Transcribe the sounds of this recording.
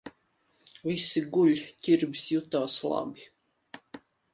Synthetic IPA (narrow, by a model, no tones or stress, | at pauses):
visiɡuʎʲcʲiɾbʲisjut̪aːslˠa̰bʲi